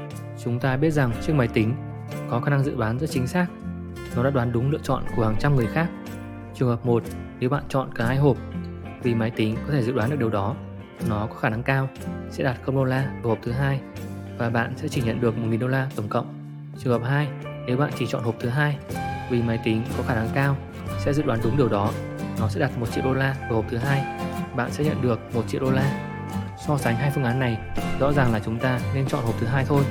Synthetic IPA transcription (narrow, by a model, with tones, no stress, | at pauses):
t͡ɕʊ˨˦ŋ͡mt̪aː˧ɓi˦˥ət̚za˨˩ŋt͡ɕɨ˦˥k̚maː˨˦jt̪i˨˦ŋ̟ | kɔ˨˦xaː˧˩na˧ŋzɨ̰˧˨waː˨˦nzə˦˥t̚t͡ɕï˨˦ŋ̟saː˦˥k̚ | nɔ˨˦ɗa̰ː˧˥ɗwaː˨˦nɗʊ˨˦ŋ͡mlɨ̰˧˨ət͡ɕɔ̰˧˨nku˧˩haː˨˩ŋt͡ɕa˧mŋɨ˨˩əjxaː˦˥k̚ | t͡ɕɨ˨˩əŋhəː˨˩p̚mo˨˩t̚ne˨˦wɓa̰ː˧˨nt͡ɕɔ̰˧˨nkaː˧˩haː˧jɦo˨˩p̚ | vi˨˩maː˨˦jt̪ï˨˦ŋkɔ˨˦t̪ʰe˧˩zɨ̰˧˨ɗwaː˨˦ɗɨ˨˩əɗi˨˩˨ɗɔ˨˦˨ | nɔ˨˦kɔ˨˦xaː˧˩na˨˧ŋkaː˧w | sɛ̰˧˥ɗaː˨˩t̚xə˧wŋ͡mɗo˧laː˧˨˩ho˨˩p̚t̪ʰɦaː˧j | vaː˨˩ɓa̰ː˧˨nsɛ̰˧˥t͡ɕi˧˩ɲə̰˧˨nɗɨ˨˩ək̚mo˨˩t̚ŋi˨˩nɗo˧laː˧t̪ə˧˩ŋ͡mkə̰˧˨wŋ͡m | t͡ɕɨ˨˩ŋhəː˨˩p̚haː˧j | ne˨˦wɓa̰ː˧˨nt͡ɕi˧˩t͡ɕɔ̰˧˨nho˨˩p̚t̪ʰɨ˨˦ɦaː˧jvi˨˩ma˨˦jt̪i˨˦ŋkɔ˨˦xaː˧˩na˨˦ŋkaː˧w | sɛ̰˧˥zɨ̰˧˨ɗwaː˨˦nɗʊ˨˦ŋ͡mɗi˨˩əwɗɔ˨˦nɔ˨˦sɛ̰˧˥ɗa˨˩t̚mo˨˩t̚t͡ɕḭ˧˨əwɗo˧laː˧ɨ˨˩ho˨˩p̚t̪ʰɨ˨˦ɦaː˧jɓa̰ː˧˨nsɛ̰˧˥ɲə̰˧˨nɗɨ˨˩ək̚mo˨˩t̚t͡ɕi˧˨wʔɗo˧laː˧ | sɔ˧saː˨˦ŋɦaː˧jfɨ˧əŋʔaː˨˦nːa˨˩jzɔ̰˧˥zaː˨˩ŋlaː˨˩t͡ɕʊ˨˦ŋ͡mt̪aː˧ne˧nt͡ɕɔ̰˧˨nho˨˩p̚t̪ʰɨ˨˦ɦaː˧jt̪ʰo˧j